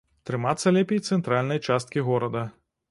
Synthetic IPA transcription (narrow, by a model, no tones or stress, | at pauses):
t̪ɾɨmat̪sːɐlʲɛpʲejt̪sɛnt̪ɾalʲnɐjt͡ʂast̪̚kʲiɣɔɾɐd̪ɐ